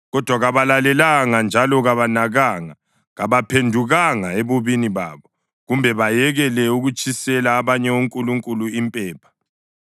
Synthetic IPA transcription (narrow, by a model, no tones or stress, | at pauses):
ɣɔd̥ʱwaɣaβalalɛlaŋand͡ʒʱalɔɣaβanaɣaːŋa | ɣaβapʰendʱuɣaŋaeβoβiniβa̰ːβɔ | ɣumbʱɛβajɛɣɛlɛuɣut͡ʃʼisɛlaːβaɲɛoŋkʼuluŋkʼuluimpʼɛːpʰḁ